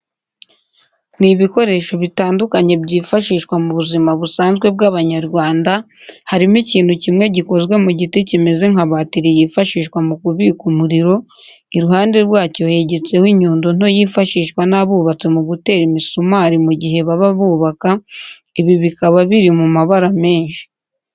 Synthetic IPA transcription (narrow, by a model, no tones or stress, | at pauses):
niβiko̞ɾe̞ːʃo̞βitaːndukaɲe̞bɟiːfaʃiːʃkwamuβuzimaβusaːnzɡwe̞b̚ɡaβaɲaɾɡwaːnda | haɾimociːn̥hucimŋe̞ɟiko̞zɡwe̞muɟitecime̞ze̞ŋaβatiɾijiːfaʃiːʃkwamukuβikumuɾiɾo̞ | iɾuhaːnde̞ɾwaːco̞he̞ɟe̞t͡se̞hwiɲuːndon̥o̞jiːfaʃiːʃkwanaβuːβat͡se̞muɡute̞ːɾimisomaɾimuɟiɦe̞βaβaβuːβaka | iβiβikaβaβiɾimumaβaɾame̞ːɲʃi̥